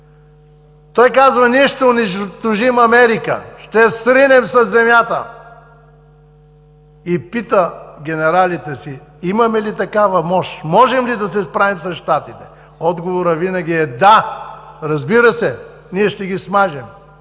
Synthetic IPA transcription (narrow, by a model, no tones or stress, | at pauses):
t̪ɔjkazvɐniɛʃt̪ɛoniʃt̪oʒimɐmɛɾikə̰ʃt̪ɛsɾinɛmsɐzːɛmʲjat̪ə̰ | ipit̪əɡʲɛnɛɾalit̪ɛsiimɐmɛlit̪ɐkavɐmɔʃmɔʒɛmlid̪ɐsɛspɾavimsɐʃt̪at̪it̪ɛ̥ | ɔd̪ɡovoɾəvinɐɡʲiɛd̪a | ɾɐzbiɾəsɛ | niɛʃt̪ɛɡʲismaʒɛm